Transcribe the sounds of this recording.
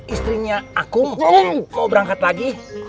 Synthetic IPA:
ist̪ɾiɲaakʊmkabəɾaŋkat̪laɡi

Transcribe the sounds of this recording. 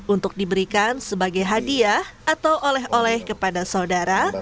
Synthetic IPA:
unt̪ʊk̚dibəɾikansəbaɡajɦadiahat̪awʔolɛɦolɛhkəpadasaudaɾa

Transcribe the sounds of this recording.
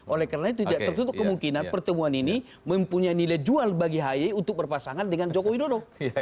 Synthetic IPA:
ʔolɛhkaɾənait̪̬ut̪idaʔt̪ərt̪ut̪̬ʊkkəmuŋkinanpərt̪əmuanini | məmpuɲanilajd͡ʒualbaɡiɦajɛunt̪ʊk̚bərpasaŋandəŋand͡ʒokowinono

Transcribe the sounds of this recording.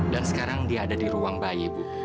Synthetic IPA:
dansə̥kaɾaŋdiadadiɾuaŋbajebu

